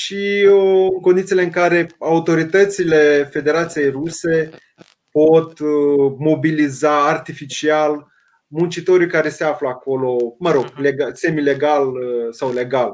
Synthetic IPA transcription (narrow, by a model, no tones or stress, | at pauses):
ʃiɨŋko̞nd̪it̪ijleɨŋkaɾe̞aut̪o̞ɾit̪ət̪sile̞fe̞d̪e̞ɾat̪sije̞jruse̞ | pot̪mo̞bilizaːrt̪ifit͡ʃial | munt͡ʃit̪o̞ɾuijkaɾe̞se̞afləako̞lo̞məɾo̞ɡleɡase̞mile̞ɡalsawle̞ɡal